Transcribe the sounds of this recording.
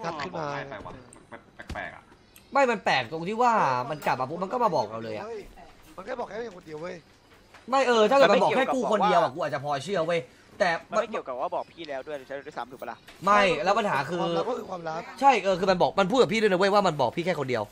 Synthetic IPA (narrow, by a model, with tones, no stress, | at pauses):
a˦˥kʰɯ˥˩aː˧ɛː˨˩a˧˩a˧npɛː˨˩kpɛ̰ː˨˩k̚a̰˨˩ | ma˥˩jma˧npɛː˨˩k̚t̪o˧ŋt̪ʰiː˥˩waː˥˩ma˧nt͡ɕa˨˩p̚a˨˩pʰːu˦˥ma˧nkɔ˥˩maː˧˩bɔː˨˩k̚ɾa˧wlɤː˧jʔa̰˨ma˧nkɔ˥˩bɔː˨˩kʰːko˧ndi˧əwə˦˥˩j | ma˥˩jʔɤː˧t͡ɕʰa˥˩jka˨˧˩ma˧bɔ˨˩kʰɛː˥˩kuː˥˩kʰo˧n˩di˧əwʔa˨˩ku˧aː˨˩t̚t͡ɕa˨˩pʰɔː˧t͡ɕʰɯ˥˩ɐwa˦˥j | t̪ɛː˨˩ma˧˥˦i˩wka˨˩waː˥˩bɔː˨˩k̚pʰiː˥˩lɛː˦˥wdu˥˩əjʰa˦˥˧sa̰ː˨˦t̪ʰuː˨˩ma˧la˧˩ma˥˩jlɛ˦˥wpa˧nɦaː˩˦kʰɯː˧˥ɯ˧kwaː˧mɾa˦˥p̚t͡ɕʰa˥˩jʔɤː˧kʰɯː˧ma˧nbɔː˨˩k̚ma˧npʰu˥˩t̪ka˨˩pʰiː˥˩dn˧wjwaː˥˩ma˧nbɔː˨˩k̚pʰiː˥˩kʰɛː˥˩kʰo˧ndi˧əw